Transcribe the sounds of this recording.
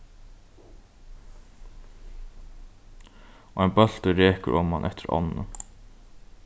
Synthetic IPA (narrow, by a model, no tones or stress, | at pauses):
ɔɛjnbœl̥t̪əɾeːkə̰ɾʔɔmanʔɛt̪ɪɾɔ̰nːə̰